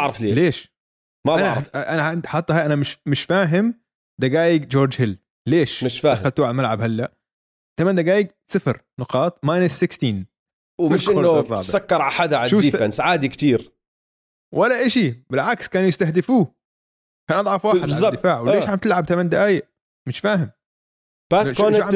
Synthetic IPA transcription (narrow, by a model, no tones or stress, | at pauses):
ɑʕɾˤɑfleːleːʃ | maaɾʔanaʕɪnd̪ħɑt̪ˤːɑaːjʔanamɪʃmɪʃfaːɦɪm | d̪aɡaːjɪɡd͡ʒoːɾd͡ʒhɪlː | leːʃmɪʃaːd̪axalt̪uːʕalmalʕabhalːaʔ | t̪amand̪aɡaːjɪɡ | sɪfɾ | nʊqɑːt̪ˤmaːjnɪsːɪkst̪iːn | wmʃɪnʊrˤɑ̰ːbsakːɑɾˤʕaħad̪aʕaʃudansʕaːd̪ikt̪iːɾ | wʔalːaʔɪʃibɪlʕakskaːnjɪst̪ahd̪ɪfuː | kaːnʔɑd̪ˤʕɑfwaːħɪd̪bzːɑd̪ɪfaːʕwɪleːʃhamt̪ɪlʕab̚t̪amand̪ɪʔaːjɪʔ | mɪʃfaːɦɪm | baʃʕa